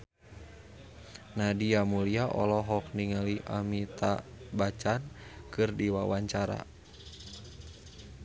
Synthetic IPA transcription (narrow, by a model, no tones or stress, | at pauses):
nadiamuliaʔɔ̰lɔɦɔk̚niŋaliʔa̰mit̪a̰bat͡ʃankɨrdiwawaɲt͡ʃaɾa̰